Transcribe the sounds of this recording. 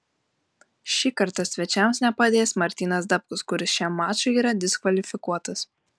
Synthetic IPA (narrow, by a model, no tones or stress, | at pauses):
ʃʲiːkɐɾt̪ɐsʲʋʲɛt͡ʃʲɛmsnʲɛpɐd̪ʲeːsmɐɾʲt̪ʲiːnɐsd̪ɐpkʊskʊɾʲɪsʃʲimːɑːt͡ʃʊiːɾɐd̪ʲɪskʋɐlʲɪfʲɪkuɔt̪ɐs